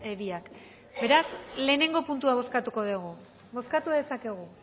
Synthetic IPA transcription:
eβiak | be̞ɾasle̞ːne̞ŋɡo̞punt̪̬uaβ̞o̞skat̪uko̞ðeɣ̞u | bo̞skat̪uðe̞sake̞ɣ̞u

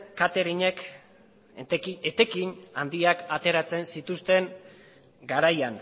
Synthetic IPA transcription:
kat̪e̞ɾiɲe̞k̪ | iet̪e̞kiɲand̪iakat̪e̞ɾat͡se̞nsit̪ust̪e̞ŋ | ɡaɾajan

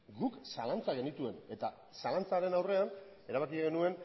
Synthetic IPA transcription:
ɡuksalant͡saɣ̞e̞nit̪ue̞ne̞t̪a | salant͡saɾe̞nawre̞an | e̞ɾaβakiaɣenue̞n

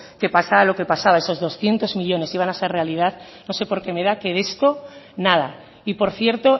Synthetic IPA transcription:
ke̞pasalo̞ke̞pasaβae̞so̞zðo̞sθje̞nt̪o̞zmiʎo̞ne̞siβ̞anase̞re̞alið̞að | no̞se̞po̞ɾke̞me̞ðake̞ðest̪o̞ | nað̞a̰ | ipo̞ɾθje̞ɾt̪o̞

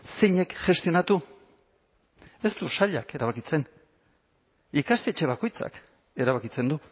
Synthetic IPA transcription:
sejɲe̞kʝe̞st̪io̞nat̪u | e̞st̪usaʎake̞ɾaβakit͡se̞n | ikast̪e̞t͡ʃe̞β̞ako̞jt͡sa̰k | e̞ɾaβakit͡se̞nd̪u

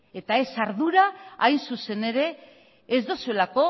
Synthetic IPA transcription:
e̞t̪ae̞saɾðuɾaa̰jnsuse̞ne̞ɾe̞ː | zd̪osue̞lako̞

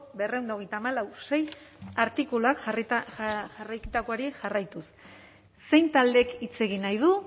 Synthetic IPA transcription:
berewnd̪oɣ̞e̞jt̪aːmalawse̞jaɾt̪ikulak̪ | ʝarajkit̪ako̞aɾiʝarajt̪usː | e̞jnt̪ald̪e̞kit͡se̞ɣ̞inajð̞u

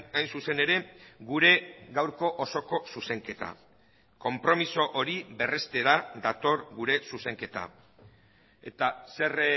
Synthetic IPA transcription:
ajnsuse̞ne̞ɾe̞ɡuɾe̞ɡawɾko̞ʔoso̞ko̞suse̞ŋke̞t̪a̰ | ko̞mpɾo̞miso̞ʔoɾiβe̞re̞st̪e̞ɾad̪at̪o̞ɾɡuɾe̞suse̞ŋke̞t̪a̰ | e̞t̪ase̞r

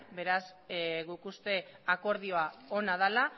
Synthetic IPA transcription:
be̞ɾazɣukust̪e̞ako̞ɾð̞io̞ao̞naðala

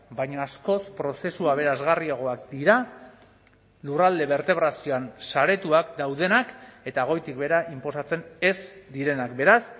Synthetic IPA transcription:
bajɲaːsko̞spɾo̞se̞suaβ̞e̞ɾazɣariaɣ̞o̞akd̪iɾa | lurald̪e̞βe̞ɾt̪e̞βɾasio̞ansaɾe̞t̪uakd̪awð̞e̞nake̞t̪aːɣ̞o̞jt̪ik̚be̞ɾaimpo̞sat͡se̞ne̞sd̪iɾe̞nakbe̞ɾas

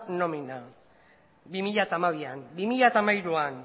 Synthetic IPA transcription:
no̞mina | bimiʎat̪amaβianbimiʎat̪amaiɾuan

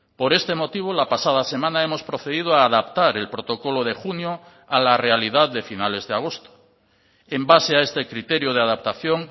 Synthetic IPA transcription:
po̞ɾe̞st̪e̞mo̞t̪iβ̞olapasaðase̞mãnae̞mo̞spɾo̞θe̞ðið̞oaːðapt̪aɾe̞lpɾo̞t̪o̞ko̞loð̞e̞xunjo | alare̞aliðaððe̞finale̞zðeaɣ̞o̞st̪o̥ | embaseae̞st̪e̞kɾit̪e̞ɾjoð̞eaðap̚t̪aθjo̞ŋ

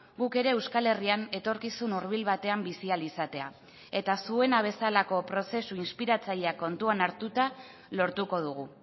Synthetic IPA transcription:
ɡuke̞ɾe̞ːwskale̞riane̞t̪o̞ɾkisunuɾβ̞ilβat̪e̞ambisialisat̪e̞a̰ | e̞t̪asue̞naβ̞e̞salako̞pɾo̞se̞suinspiɾat͡saʎeako̞nt̪uanaɾt̪ut̪a | lo̞ɾt̪uko̞ð̞uɣ̞u

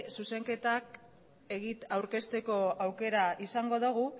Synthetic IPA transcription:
suse̞ŋke̞t̪ak | e̞ɣit̪awɾke̞st̪e̞ko̞awke̞ɾaʔisaŋɡo̞ðoɣ̞u

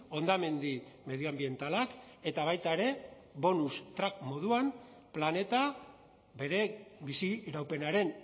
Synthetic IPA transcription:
o̞nd̪ame̞nd̪ime̞ðioambie̞nt̪alake̞t̪aβ̞ajt̪ae̞ɾe̞ | βo̞nust̪ɾakmo̞ð̞uam | plane̞t̪a | βe̞ɾe̞βisiːɾawpe̞naɾe̞n

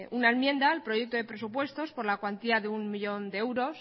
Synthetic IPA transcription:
ʔunaenmjẽ̞nd̪aːlpɾo̞je̞k̚t̪oðe̞pɾe̞supwe̞st̪o̞spo̞ɾlakwant̪iaðeunmiʎo̞nd̪eewɾo̞s

